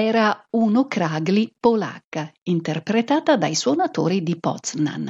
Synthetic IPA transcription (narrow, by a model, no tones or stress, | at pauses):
ɛːɾaunokɾaɡlipola̰kːaint̪erpɾet̪aːt̪ad̪ajswɔnat̪o̰ːɾid̪ipɔ̰t̪sna̰n